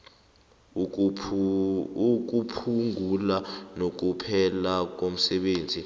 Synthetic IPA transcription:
uk̬upʰuŋulanok̬upʰɛlak̬om̩sɛɓeːnd͡zʱi

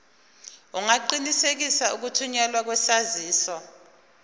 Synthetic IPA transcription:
uŋaǃinisek̬isauk̬utʰuɲalwak̬wɛsaziːsɔ

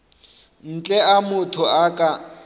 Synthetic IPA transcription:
n̩t͡ɬʼɛamʊtʰʊakʼa

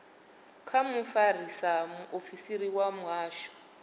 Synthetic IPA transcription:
kʰamufar̤isamuʔofisiɾiwamaːʃɔ̥

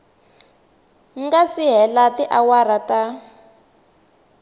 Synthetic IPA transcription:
ŋ̩ɡasiɦɛlatiʔawarata

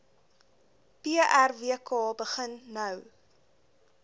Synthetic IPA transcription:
piəʔærviəkɑːbəχənːœw

